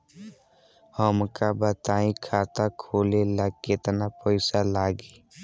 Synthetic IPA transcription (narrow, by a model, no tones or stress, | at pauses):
həmkabət̪aːĩkʰaːt̪akʰoːlelaket̪napəɪsalaːɡe